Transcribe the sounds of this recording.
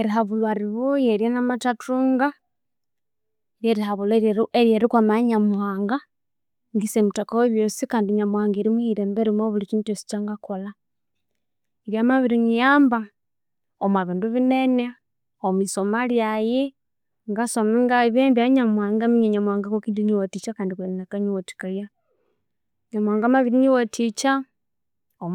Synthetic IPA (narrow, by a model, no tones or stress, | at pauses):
eɾiɦaβulwaɾiβujeɾjenamatatʰuːŋɡa | eɾjeɾihaβuleɾjeɾikwamaɲamuaːŋɡa | ŋɡisemutakaweβjosikaːndiɲamuhaːŋɡeɾimwiɾeːmbeɾimoβulit͡ʃiːntosi̥t͡ʃaŋɡako̞la | eɾjamaβiɾiŋijaːmba | omwaβiːnduβinene | omwisomaljaji | ŋɡasomeŋɡaβeːmbaɲamwaːŋɡamiɲeɲamwaːŋɡakokiːndiɲiwotit͡ʃakaːndikeninakaɲiwoti̥kalja | ɲamwaːŋɡamaβiɾiɲiwotit͡ʃa | o